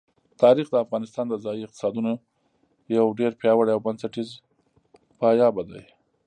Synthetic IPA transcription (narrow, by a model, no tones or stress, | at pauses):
t̪ɑɾixd̪əafɣɑnɪst̪ɑnd̪əzɑjiɪq̚t̪ɪ̥sɑd̪uno | jawɖeɾpjɑwaɽjawbansaʈiz | pɑjɑbad̪a̰j